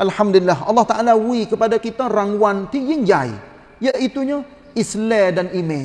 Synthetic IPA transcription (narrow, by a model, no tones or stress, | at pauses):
ʔalhamdulilːaɦɑ̰lːɑht̪aʔalawikəpadakit̪araŋwant̪ijɪŋd͡ʒaḭ | jaʔit̪uɲa | islɛdanimɛ̃